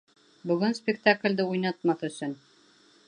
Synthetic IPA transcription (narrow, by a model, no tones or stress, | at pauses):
bɵ̆ɡɵnspʲɪkt̪aklʲd̪ɘujnɑt̪mɑθɵ̆sɵn